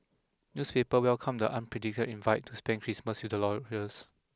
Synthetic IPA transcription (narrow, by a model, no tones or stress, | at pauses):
njuspepəwɛlkʰãmdəʔãnpʰɹɛdik̚tədĩnvaɪtʰːuspɛ̃nkʰɹisməsjudəlɔɹəs